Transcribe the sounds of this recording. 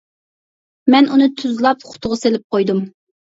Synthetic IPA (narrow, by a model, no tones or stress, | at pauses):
mɛnʔunɨt̪ʰyzlˠɑpχʊ̥t̪ʰʊʁɑselɪp̚qojd̪um